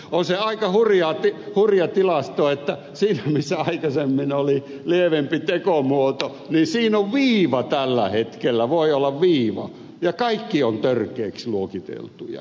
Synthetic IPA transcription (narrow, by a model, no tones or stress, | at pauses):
onseɑikɑhurjɑt̪ihurjɑt̪ilɑst̪oet̪ːæ | siːnæmisːæɑikɑsemːinoli | lieʋempit̪ekomuot̪o | ninsiːnoʋʋiːʋɑt̪ælːæhet̪kelːæʋoiolːɑʋʋiːʋɑ̰ | jɑkɑikːiont̪ørkeːksluokit̪ḛlt̪ujɑ̰